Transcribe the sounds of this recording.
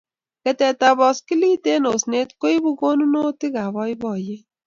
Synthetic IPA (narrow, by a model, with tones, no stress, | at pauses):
kɛ˨tɛ˨ta˨bɔ˨ski˦li˦te˦no˨sne˦tko˦i˦bu˦ko˦nu˦no˦tɪ˦ɡa˨βɔ˦ɪ˦bɔ˨je˦